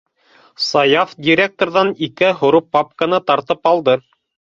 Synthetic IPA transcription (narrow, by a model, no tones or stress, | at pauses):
sɑjɑfdʲiɾʲek̚t̪orðɑnikɘɦŏɾupːɑp̚kanɤt̪ɑɾt̪ɤpɑlˠd̪ɤ